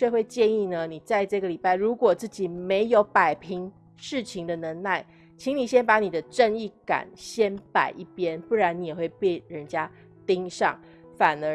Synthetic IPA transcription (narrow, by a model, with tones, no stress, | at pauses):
e˥˧xwe˥˧ɪt͡ɕjɛ˥˧ni˥˩nə˨ni˨˩t͡sa˥˧ɪʈ͡ʂɤ˥˩ɡə˩li˨˩pa˥˩ɪɻu˧˥kwɔ˨˩t͡sɹ̩˥˩t͡ɕi˨˩me˧˥ɪjo˧˥ʊpa˨˩ɪpʰi˧˦ŋ | ʂɻ̩˥˩t͡ɕʰi˨˦ŋd̪ə˧nə˧˥nla˥˩ɪ | t͡ɕʰi˧˥ŋni˨˩ɕjɛ˥npa˧˥ni˨˩d̪ə˦ʈ͡ʂə˥˧ŋi˥˩ka̰˨˩˦nɕjɛ˥npa˨˩ɪʔi˥˩pjɛ˦˥npu˥˩ɻa˧˥ni˨˥jɛ˨˩xwe˥˧ɪpe˥˩ɪɻə˧˦nt͡ɕja˦ | t̪i˥ŋʂɑ̰˥˩ŋ | fa˨˩nə˧˦